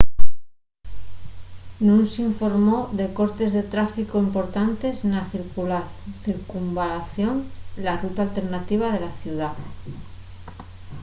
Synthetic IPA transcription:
nũnsiɱfo̞ɾmo̞ðe̞ko̞ɾt̪e̞zðe̞t̪ɾafikoimpo̞ɾt̪ant̪e̞snaθiɾkulaθiɾkumbalaθjo̞nlarut̪aːlt̪e̞ɾnat̪iβ̞að̞e̞laθjuða

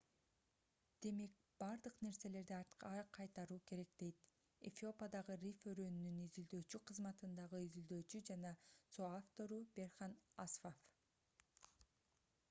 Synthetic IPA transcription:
d̪̥e̞me̞k̚ | b̥ɑɾd̪ɯqne̞ɾse̞le̞ɾd̪iɑɾt̪qɑqʰɑjt̪ɑɾuːke̞ɾe̞k̚d̪̥e̞jt̪ | ḛfʲio̞pɑd̪ɑʁɯrʲiføɾønynynizyld̪øːt͡ʃyqʰɯzmɑt̪ɯnd̪ɑʁɯizyld̪øːt͡ʃyd͡ʒɑnɑsoaft̪o̞ɾube̞rχɑnasfof

